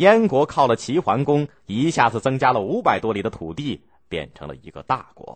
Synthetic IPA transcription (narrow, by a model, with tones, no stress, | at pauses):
jɛ˥nkwɔ˧˥kʰɑ˥˩ʊlə˩t͡ɕʰi˧˥xwa˧˥nkʊ˥ŋ | i˧˥ɕja˥˧˩t͡sɹ̩˥˩t͡sɤ˥ŋt͡ɕja˥lə˨u˧˥pa˨˩ɪt̪wɔ˥li˧˥d̪ə˧t̪ʰu˨˩t̪i˥˩ | pjɛ̰˨˩nʈ͡ʂʰɤ̰˧˥ŋlə̰˧ḭ˧˥ɡə̰˧t̪a̰˥˩kwɔ̰˧˥